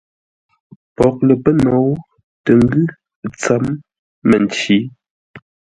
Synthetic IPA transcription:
pɔ˨k̚lə˨pə˦nɔ˨˦w | tə˨ŋ˦ɡʉ˦ | t͡sa˨˦mː | ə˨n˨t͡ʃi˨˦

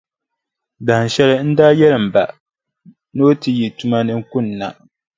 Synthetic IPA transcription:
da˨n˨ʃɛ˦lɨ˦n̩˦daː˦jɛ˦lɨ˨m̩˨ba̰˨ | no˦tɨ˨ji˨tu˦ma˦nɨ˦ŋ˦kʊ˦˨nː˨a˨

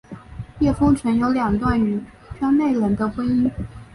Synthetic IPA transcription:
jɛ˥˩fɤ˥ŋʈ͡ʂʰə˧˥njo˧˥ʊljɑ˨˩ŋt̪wa˥˩ny˨˩˥ | t͡ɕʰɑ˥nne˥˩ɪlə˧˥nd̪ə˧xwe˥ni˥n

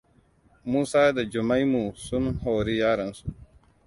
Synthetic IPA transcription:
muː˦saː˦d̪ɐ˨d͡ʒu˨mɐ˦jmu˨su˦nɦoː˨ɾi˦jaː˦ɾɐ˨nsu˨

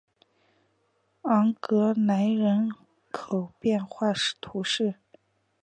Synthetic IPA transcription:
ɑ˧˥ŋkɤ˧˥na˧˥ɪɻə˧˥n | kʰo˨˩ʊpjɛ˥˧nxwa˥˩ʂt̪ʰu˧˥ʂɻ̩˥˩

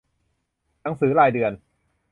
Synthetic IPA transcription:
na˩˦ŋsɯː˩˦laː˨˩jdɯ˨˩ən

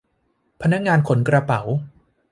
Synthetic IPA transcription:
pʰa˧na˦˥k̚ŋaː˧nkʰo˩˦nkɾa˧pa˩˦w

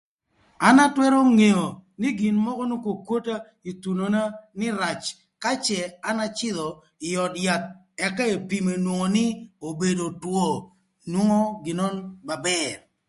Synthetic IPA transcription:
a˦na˦twɛ˦ɾo˦ŋe˨o˨nɪ˦ɡɪ˨nmɔ˦kɔ˦nu˦ko˨kwo˦ta˦ | i˨tu˨no˨na˦nɪ˦ɾa˨t͡ʃ | ka˦t͡ʃɛ˨a˦na˦t͡ʃɪ˦ðɔ˨ | ɪ˨jɔ˨tja˨t̪̚ | ɛ˨ka˦e˨pi˨me˨nwo˨ŋo˨nɪ˦o˨be˨do˨two˦ | nwo˦ŋo˦ɡɪ˨nɔ˦nba˨bɛr

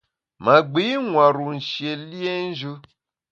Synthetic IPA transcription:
ma˨ɡ͡bi˨˦ŋʷa˨ɾu˨n̩˨ʃi˨e˨li˦e˦n̩˦ʒu˦

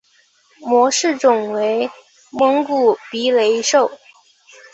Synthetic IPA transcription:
mwɔ˧˥ʂɻ̩˥˩ʈ͡ʂʊ˨˩ŋwe˧˥ɪ | mɤ˧˥ŋku˨˩pi˧˥le˧˥ɪʂo˥˩ʊ

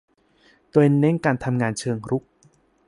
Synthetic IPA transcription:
t̪oː˧jne˦˥ŋkaː˧nt̪ʰa˧mŋaː˧nt͡ɕʰɤː˧ŋɾu˦˥k̚

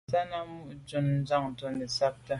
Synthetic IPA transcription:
sa˦na˦mu˦ʔd͡ʒo˦nn˦d͡za˦˨ŋ˨to˦nɛ˨sa˦k̚ta˦

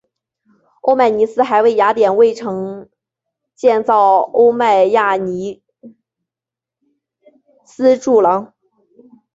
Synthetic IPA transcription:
o˥ʊma˥˩ɪni˧˥sɹ̩˥xa˧˥ɪwe˥˩ɪja˧˥t̪jɛ˨˩nwe˥˩ɪʈ͡ʂʰɤ˧˥ŋ | t͡ɕjɛ˥˧nt͡sɑ˥˩ʊo˥ʊma˥˧ɪja˥˩ni˧˥ | sɹ̩˥ʈ͡ʂu˥˩lɑ˧˥ŋ

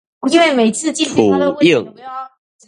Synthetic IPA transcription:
ɔ˨˩i˥nwe˥˩ɪme˨˩ɪt͡sʰɹ̩˥˧t͡ɕi˥˧nu˨˩˧i˥˩ŋ

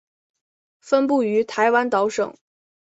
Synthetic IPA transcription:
fə˥npu˥˩y˧˥t̪ʰa˧˥ɪwa˥nt̪ɑ˧˥ʊʂɤ̰˨˩˦ŋ

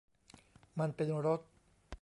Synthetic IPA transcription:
ma˧npe˧nɾo˦˥t̪̚

